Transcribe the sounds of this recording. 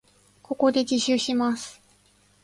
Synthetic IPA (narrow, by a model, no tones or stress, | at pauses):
ko̞ko̞d̪e̞d͡ʑiɕɨɕimasɨ̥